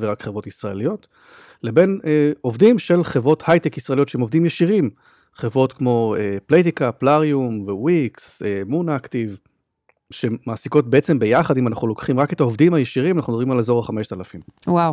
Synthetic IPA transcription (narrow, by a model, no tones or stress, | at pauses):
veʁakχevʁo̞tisʁaelijo̞t | le̞be̞neo̞vdimʃe̞lχevʁo̞thajtekisʁaelio̞tʃeemovd̪imjeʃiʁim | χevʁo̞tkmo̞eplejt̪̬ikapːlaʁiumvewiksemunaktiv | ʃeːaːsiko̞t̚bee̞t͡se̞mbe̞jaχadimanaχnulo̞kχimʁake̞taovdimhajeʃiʁimanaχnudobimalezo̞ʁaχameʃt̪alafimwaw